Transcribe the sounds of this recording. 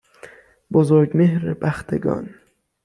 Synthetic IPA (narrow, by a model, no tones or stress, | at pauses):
bozoɾɟmehɾebæxt̪ʰeɡɒ̰n